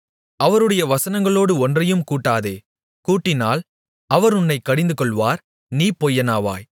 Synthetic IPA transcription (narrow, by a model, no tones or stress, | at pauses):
ɐʋɐɾɯɽɐjɐʋɐsɐnɐŋɡɐɭoːɽɯɔndrɐjɯmkuːʈːaːðeː | kuːʈːɪna̰ːl | ɐʋɐɾʊnːɐɪkːɐɽɪnd̪ɯkɔɭʋaːɾ | niːpoːjːɐnaːʋa̰ːj